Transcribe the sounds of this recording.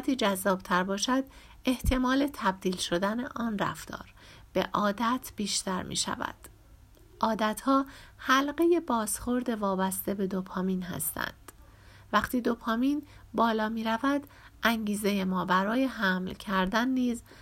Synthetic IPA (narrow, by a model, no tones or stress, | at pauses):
t̪ʰiːd͡ʒæzːɒːb̥t̪ʰæɾbɒːʃæd̪ | e̞ht̪ʰe̞mɒːle̞t̪ʰæb̚d̪iːlʃo̞d̪æneʔɒːnræ̰ft̪ʰɒ̰ːɾ | b̥e̞̰ʔɒːd̪æt̪ʰb̥iːʃt̪ʰæɾmʔḭːʃæ̰væ̰d̪̥ | ʔɒːd̪æt̪hɒːhælɢe̞je̞bɒːsχo̞ɾd̪e̞vɒːbæst̪e̞be̞d̪opʰɒːmiːnhæ̰st̪ʰæ̰nd̪̥ | væχt̪ʰiːd̪opʰɒːmiːnbɒːlɒːmiːɾævæd̪ | ʔæŋɟiːzejemɒːbæɾɒːje̞ɦæmlcʰæɾd̪ænːiːz